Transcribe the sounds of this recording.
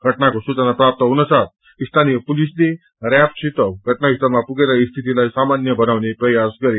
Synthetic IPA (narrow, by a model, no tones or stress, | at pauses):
ɡʱəʈnakɔsut͡sanapɾap̚t̪əunəsat̪̚ | ist̪ʰanipulisni | ɾɛpɕit̪əɡʱəʈnaist̪əlapuɡelaist̪ʰit̪ilaisamanjəbʱənaʋnepɾəjaskəɾe